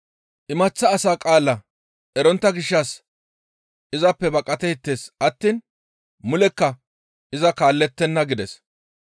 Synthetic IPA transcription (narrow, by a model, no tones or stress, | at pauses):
ʔɪmɐt͡sːɐːsaːkʼaːlːɐ | ʔɛɾɔnt̪ːɐɡɪʃːɐs | ʔɪzɐpːɛbɐkʼːɐt̪ɛɪt̪ːe̞ːsɐt̪ːiːn | mʊlɛkːɐ | ʔɪzɐkaːlːɛt̪ːɛnːɐɡɪd̪ɛs